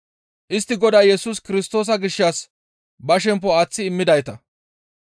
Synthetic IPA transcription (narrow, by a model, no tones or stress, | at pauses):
ʔɪst̪ːɪɡɔd̪ɐjjɛsuːskɪɾɪst̪o̞ːs̬ɐɡɪʃːaːs | bɐʃ̬ɛmp̬ːɔaːt͡sːɪːmːɪd̪ɐjt̪ɐ